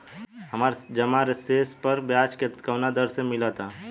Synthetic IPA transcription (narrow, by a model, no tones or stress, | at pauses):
ɦɐmaːɾd͡ʒɐmaːɾeseːspəɾbjaːt͡ʃkekəwnad̪əɾsemɪlat̪ʰaː